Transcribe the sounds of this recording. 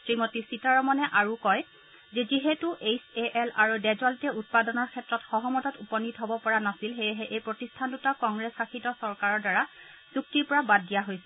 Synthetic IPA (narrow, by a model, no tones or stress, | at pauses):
tɹimɔtisitaɹɔmɔnɛʔaɹukɔj | zɛziɦetuʔejseʔɛlaɹudɛzɔltɛut̚padɔnɔɹkʰɛtɹɔtxɔɦɔmɔtɔtupɔnitɦɔbɔpɔɹanasilɦejɛɦɛʔejpɹotistʰandutakɔŋɡɹɛsxaxʰitɔsɔɹkaɹɔɹdaɹa | z̥uk̚tiɹpɔɹabadːijaɦojsɛ